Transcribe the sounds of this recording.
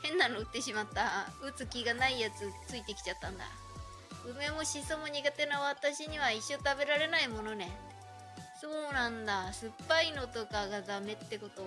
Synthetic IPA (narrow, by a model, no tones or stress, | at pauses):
hẽ̞nːano̞ɯ̟t̪ːe̞ɕimat̪ːaɯ̟t͡sɨkʲiɡanaijat͡sɨt͡sɨit̪e̞kʲi̥t͡ɕat̪ːãnd̪a̰ | ɯ̟me̞mo̞ɕiso̞mo̞ɲ̟iɡat̪e̞naβat̪aɕiɲ̟iβaiɕːo̞t̪abe̞ɾaɾe̞naimo̞no̞ne̞ | so̞ːnãnd̪asɨpːaino̞t̪o̞kaɡazame̞t̪ːe̞ko̞t̪o